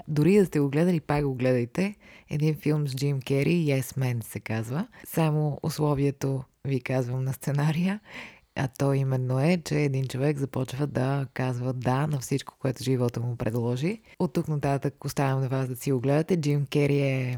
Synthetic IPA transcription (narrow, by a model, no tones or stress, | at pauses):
d̪ʊɾid̪ɐst̪ɛɡoɡlɛd̪əlipakɡoɡlɛd̪əjt̪ɛɛ̰d̪infilˠmzd͡ʒimkʲɛɾiɛsmɛnsɛkazvəsamoʊ̰slˠɔviɛt̪o | vikazvəmnɐst̪sɛnaɾijə | ɐ̰t̪ɔimɛnːoɛt͡ʃɛːd̪int͡ʃovɛɡzɐpɔt͡ʃvəd̪ɐkazvəd̪anɐfsit͡ʃko̥koɛt̪ʊʒivɔt̪omʊpɾɛd̪lˠɔʒiot̪ːuknɐt̪at̪əkost̪avɛmnɐvasd̪ɐsiɡoɡlɛd̪ət̪ɛd͡ʒimkɛɾiɛ